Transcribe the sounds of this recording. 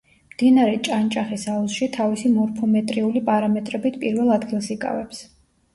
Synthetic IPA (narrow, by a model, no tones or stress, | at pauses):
md̪inaɾɛt͡ʃʼant͡ʃʼaχisalˠʃit̪ʰavisimɔɾpʰɔmɛt̪ʼɾiulipʼaɾamɛt̪ʼɾɛbit̪ʰpʼiɾvɛlˠad̪ɡilˠsikʼa̰vɛps